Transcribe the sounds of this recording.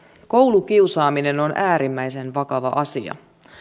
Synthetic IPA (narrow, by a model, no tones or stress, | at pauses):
ko̞wlukiwsɑːmine̞no̞nʔæːɾimːæjse̞nʋɑkɑʋɑ̰ʔɑsḭɑ̰